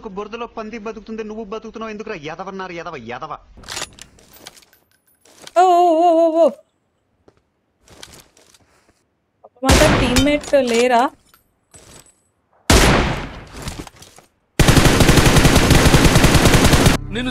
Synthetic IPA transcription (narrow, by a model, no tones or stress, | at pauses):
kuboɾd̪ɐloːpɐnd̪ibɐd̪ukut̪und̪enuʋːubɐd̪ukut̪unːaːend̪ukuɾaːjɛd̪ɐʋɐnːaːɾujɛd̪ɐʋɐjɛ̰d̪ɐʋɐ̰ | oooʋo | ɐpɐmaːt̪ɐʈimːeʈːleːɾaː | nen